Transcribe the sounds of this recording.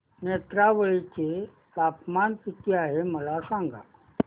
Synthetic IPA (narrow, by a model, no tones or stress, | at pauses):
net̪ɾaʋəɭit͡ɕe | t̪apmant̪it̪ʰeaɦeməlasãŋɡʱa̰